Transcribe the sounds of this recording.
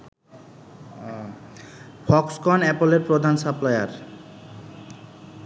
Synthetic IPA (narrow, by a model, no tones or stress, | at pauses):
pʰɔkskɔnɛpoleɾpɾod̪ʱansaplajaɾ